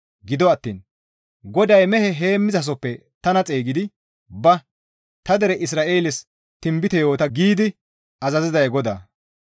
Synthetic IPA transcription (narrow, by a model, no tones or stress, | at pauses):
ɡɪd̪ɔɐt̪ːḭːn | ɡɔd̪ɐjmɛhɛɦe̞ːmːɪzɐs̬ɔpːɛ | t̪ɐnɐt͡sʼeːɡɪd̪ɪ | bɐ | t̪ɐd̪ɛɾɛʔɪs̬ɾaːʔe̞ːlɪs | t̪ɪmbɪt̪ɛjo̞ːt̪ɐɡiːd̪ɪ | ɐzɐzɪzɐjɡɔd̪a̰ː